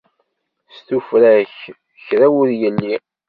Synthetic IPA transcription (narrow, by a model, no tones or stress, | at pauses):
st̪ufɾæç | çɾæwʊðjəlːi